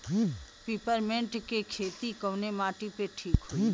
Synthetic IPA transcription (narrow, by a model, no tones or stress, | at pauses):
piːpəɾmẽɳʈkekʰeːt̪ikəwnemaːʈipeʈʰiːkɦoi